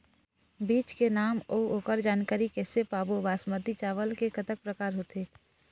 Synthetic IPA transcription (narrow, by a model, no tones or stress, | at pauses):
biːt͡ʃkenaːmoːoːkəɾd͡ʒaːnkaːɾikɛːsepaːbobaːsmət̪it͡ʃaːʋəlkekət̪ək̚pɾəkaːɾɦoːt̪eː